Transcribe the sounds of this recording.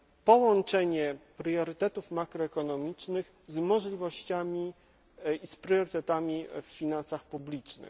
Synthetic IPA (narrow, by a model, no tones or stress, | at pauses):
pɔwɔnt͡ʂɛɲɛpɾjɔɾɘt̪ɛt̪ufmakɾɔɛkɔnɔmʲit͡ʂnɘx | zmɔʐlʲivɔɕt͡ɕamʲi | ispɾjɔɾɘt̪ɛt̪amʲiffʲinansaxpublʲit͡ʂnɘ̰x